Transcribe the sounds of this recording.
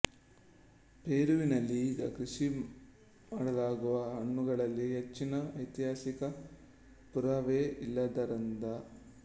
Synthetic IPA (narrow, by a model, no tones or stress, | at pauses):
peːɾuʋinɐlːiːɡɐkɾuʂi | maːɽɐlaːɡuʋɐɦɐɳːuɡɐɭɐlːiɦet͡ʃːinɐɐjt̪iɦaːsikɐ | puɾaʋeːʔilːɐd̪ɐɾɐnd̪ɐ